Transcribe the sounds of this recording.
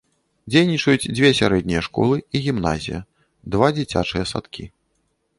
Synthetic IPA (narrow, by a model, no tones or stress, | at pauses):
d͡zʲejnʲit͡ʂɐjud͡zʲd͡zʲvʲesʲaɾɛd̪ʲnʲijɛʂkɔ̰lˠɨiɣʲimna̰zʲḭjɐ | d̪vad͡zʲit͡sʲa̰t͡ʂɨjɐsa̰t̪kʲi